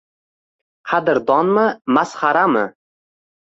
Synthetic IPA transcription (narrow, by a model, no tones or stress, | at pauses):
qʰɑd̪ɪɾd̪ɒnmɨmasχaɾamɨ